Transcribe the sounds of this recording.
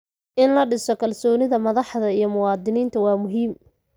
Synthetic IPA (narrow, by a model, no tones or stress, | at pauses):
ʔɪnlɐɖɪsɔkʰɐlsɔːnɪðɐmɐðɑħðɐijɞmʊwɑːd̪ɪniːnt̪ʰɐwɑːmʊɦiːm